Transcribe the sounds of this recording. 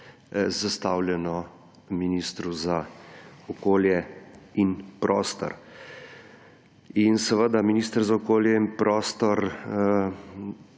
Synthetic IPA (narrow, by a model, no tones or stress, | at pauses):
zast̪aːwljɛnɔ | minist̪ɾuzaɔkoːljɛinpɾʔɔːst̪ɔ̰ɾ | insɛʋəd̪aminiːst̪əɾzaɔkoːljɛinpɾɔːst̪ɔɾ